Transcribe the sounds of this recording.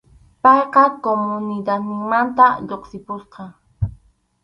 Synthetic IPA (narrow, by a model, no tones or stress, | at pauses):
pɑjqɑkomʊnɪd̪at̪nɪŋmant̪aʎoqsɪpʊsqɑ